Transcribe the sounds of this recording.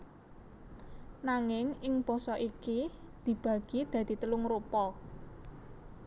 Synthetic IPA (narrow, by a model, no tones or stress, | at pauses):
naŋɪŋɪŋb̥ɔ̤sɔʔikid̪̥i̤b̥ä̤ɡ̥i̤d̪̥ä̤d̪̥i̤t̪əlʊŋɾupɔ